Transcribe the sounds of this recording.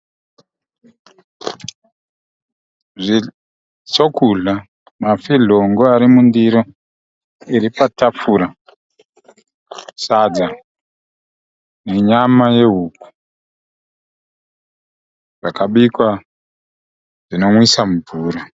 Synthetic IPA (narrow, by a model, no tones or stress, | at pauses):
ʐi | t͡sokuɮa | mafiɮoŋɡoaɾimundiɾo | iɾipatap͡fuɾa | sad͡za | ne̞ɲamaje̞ɦuku̥ | ʐakaɓikwa | ʐino̞mwisamuvuːɾo